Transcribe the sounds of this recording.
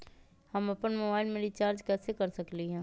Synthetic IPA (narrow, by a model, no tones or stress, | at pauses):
hɐmɐpənmoːbaːɪlmẽɾit͡ʃaːɾd͡ʒkɛːsekɐɾsɐkliɦɛ̃ː